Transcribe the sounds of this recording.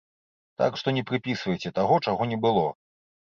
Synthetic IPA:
t̪a̰kʂt̪ɔnʲɛpɾɨpʲisvɐjt͡sʲɛt̪aɣɔt͡ʂaɣɔnʲɛbɨlˠɔ

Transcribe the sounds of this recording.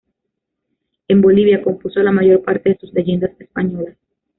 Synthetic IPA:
e̞mbo̞liβ̞jako̞mpuso̞lamaʝo̞ɾpaɾt̪e̞ðe̞suzle̞ʝe̞nd̪asespaɲo̞las

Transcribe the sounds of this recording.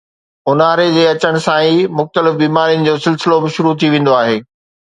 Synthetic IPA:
ʊnaːɾed͡ʑeːɐt͡ɕəɽ̃ʊ̆sãimʊxt̪əlɪfbiːmaːɾijənɪ̆d͡ʑoːsɪlsɪlobɪʃʊɾut̪ʰiʋẽːn̆d̪oaːɦeː

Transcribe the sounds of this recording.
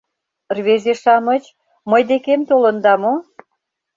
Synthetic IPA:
rβezeʃɑmət͡ɕ | məjd̪ekemt̪olənd̪ɑmo

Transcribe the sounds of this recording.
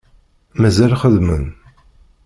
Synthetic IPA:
mæzælχəðmə̰n

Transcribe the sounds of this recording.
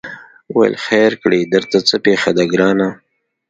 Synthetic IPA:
wa̰j̰lxaɾkɽid̪əɾt̪at͡səpexad̪aɡɾɑːna

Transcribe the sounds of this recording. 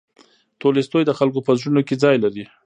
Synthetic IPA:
t̪olest̪ojd̪əxalk̬opəzɽunoked͡zɑjlaɾi

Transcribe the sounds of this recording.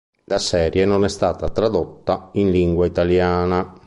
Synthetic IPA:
lasɛːɾjenonɛst̪aːt̪at̪ɾad̪ot̪ːainliŋɡwait̪aljaːna

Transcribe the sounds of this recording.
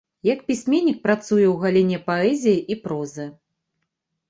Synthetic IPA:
jɐkpʲisʲmʲenʲːik̚pɾat̪sujɛwɣalʲinʲɛpaɛzʲijiʔipɾɔzɨ

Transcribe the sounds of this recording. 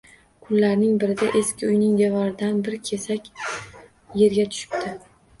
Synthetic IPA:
kʰʊlːaɾnɪŋbɪɾɪd̪aʔe̞skʲɪʊjnɪŋd̪evɒɾɪd̪anbɪɾɪkʲʰe̞sakʲ | je̞ɾɡʲat̪ʰʊ̥ʃɪ̥p̚t̪ʰɪ

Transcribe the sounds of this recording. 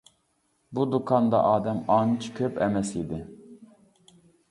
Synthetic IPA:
bud̪ukʰɑnd̪ɑ̰ʔɑːd̪ɛmɑnt͡ʃʰkʲʰøpʰɛmɛsid̪ɪ

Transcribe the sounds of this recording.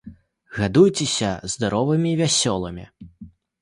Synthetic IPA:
ɣad̪ujt͡sʲɛsʲɐzd̪aɾɔvɨmʲivʲasʲɔlˠɐmʲḭ

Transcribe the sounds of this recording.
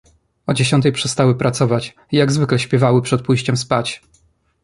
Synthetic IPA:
ɔd͡ʑeɕɔnt̪ɛjpʂɛst̪awɘpɾat̪sɔvat͡ɕ | ijaɡzvɘklɛɕpʲjɛvawɘpʂɛt̪̚pujɕt͡ɕɛmspat͡ɕ

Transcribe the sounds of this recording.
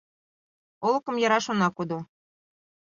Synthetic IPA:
olˠɤ̆kɤ̆mjɑɾɑʃonɑkud̪o

